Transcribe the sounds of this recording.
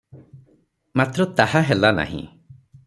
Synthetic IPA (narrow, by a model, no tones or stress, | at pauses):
mat̪ɾɔt̪ahaɦelana̰ɦḭ̃